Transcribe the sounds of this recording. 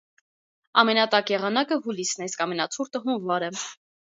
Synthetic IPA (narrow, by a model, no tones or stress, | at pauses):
ɑmɛnɑt̪ɑkjɛʁɑnɑkəɦulisnɛiskɑmɛnɑt͡sʰuɾt̪əɦumvɑɾɛ